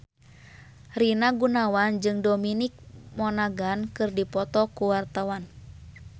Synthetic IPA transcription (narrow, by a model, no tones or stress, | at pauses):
rinaɡunawand͡ʒɨŋdominik̚mɔnaɡankɨrdipɔt̪ɔkuwart̪awan